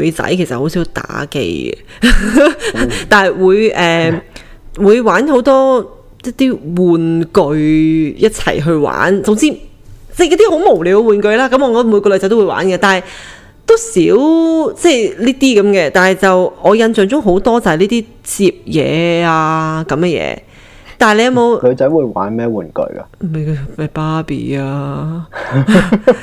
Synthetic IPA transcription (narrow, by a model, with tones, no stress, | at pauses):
ɥt͡sɐ̰˨˥jkʰe˨˩sɐ˨tho˨˥wsi˨˥wt̪a̰ː˨˥kḛ˧j | t̪aː˨nhɐ˨jwuː˨˧jʔɛː˨ | wuː˨˧jwaː˨˥nho˨˥wt̪ɔː˥ | jɐ˥t̪iː˥wuː˨nkɵ˧ɥjɐ˥t̚t͡sʰɐ̰˨˩jɦɵ˧ɥwa̰ː˨˥nt͡sʊ˧ŋt͡siː˧˥ | t͡sɛ˥˩jɐ˥t̚t̪i˥ɦo˨˥wmo˨˩wliː˨wwuː˨˧nkɵ˧ɥlaː˥kɐ˨˥mɔ˨˧kɔ˥mu˨˧kɔː˧lɵ˨˧jt͡sɐ˧˥t̪o˥wːjwa̰ː˨˥nkɛː˧t̪aː˨nɦɐ˨˩j | t̪o˥wsiː˨˥wt͡sɛ˥˩jliː˥t̪iː˥kɐ˨˦mkɛː˧t̪aː˨nhɐ˨jt͡sɐ˨wɔː˨˧jɐ˧nt͡sœː˨˧ŋt͡sʊ˥ŋɦo˨˧˥wt̪ɔː˥t͡sɐ˨hɐ˨jliː˥t̪iː˥ | t͡siː˨p̚jɛ̰ː˨˧aː˧kɐ˨˥mɛː˧jɛ̰ː˨˧ | t̪aː˨le˧jɐ˧mo˨˧wlɵ˨˧t͡sɐ˨˥jwuː˨˧jwa̰ː˨˥nmɛː˥wṵː˨˩nkɵ̰˧ɥka̰˧me˨˧kmɐ˨˧paː˥pḭː˨˩aː˧